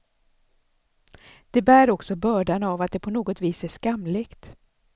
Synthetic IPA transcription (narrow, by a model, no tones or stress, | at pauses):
d̪̥ɛbæːɾɔksɔbœːɖanavat̪̚d̪ɛpʰɔnoːɡɔt̪viːsæʂkamleːɡt̪